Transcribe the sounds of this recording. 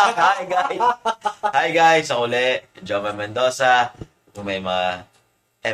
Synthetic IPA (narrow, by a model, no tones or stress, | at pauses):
hajɡajshajɡajsɐkʊlɛʔd͡ʒomɐnmɛnd̪oːsa | kʊŋmɐjmɐŋa | ɛ